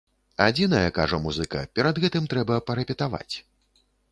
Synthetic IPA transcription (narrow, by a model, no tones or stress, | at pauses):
ad͡zʲin̪ɐjɐkaʐɐmuzɨkɐ̰pʲɛɾɐd̪ɣɛt̪ɨmt̪ɾɛbɐpɐɾɛpʲɛt̪ava̰t͡sʲ